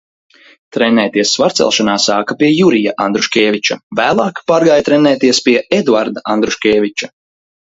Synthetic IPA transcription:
t̪ɾɛnɛːt̪iɛsːvaɾtsɛ̰lˠʃanaːsaːkapiɛjuɾijaʔand̪ɾuʃkʲɛːvit͡ʃavæːlˠɑːkpaːɾɡajt̪ɾɛnɛːt̪iɛspiɛʔɛd̪vaɾd̪aʔand̪ɾuʃkʲɛːvʲit͡ʃḁ

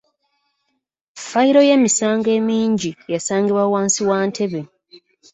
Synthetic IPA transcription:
faiɾo̞je̞ːmisaːŋɡe̞ːmiːɲɟijasaːŋɡiβwawaːnsiwaːntʰe̞βe

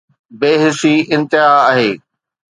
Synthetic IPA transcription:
beːɦɪsiɪ̃nt̪ɪɦaːɦeː

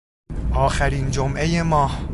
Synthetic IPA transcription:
ʔɒːxæɾiːnd͡ʒomʔe̞jemɒːh

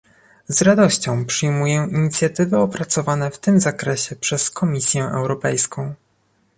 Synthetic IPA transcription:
zɾad̪ɔɕt͡ɕɔ̃w̃pʂɘjmujɛiɲit̪sʲjat̪ɘvɘɔpɾat̪sɔvanɛft̪ɘmzakɾɛɕɛpʂɛskɔmʲisʲjɛʔɛ̰wɾɔpɛjskɔ̃w̃

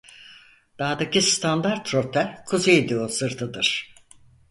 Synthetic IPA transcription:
d̪̥aːd̪acʰist̪ʰand̪aɾt̪ɾot̪ʰɛkʰuzed̪iosɯɾt̪ʰɯd̪ɯɾ̥

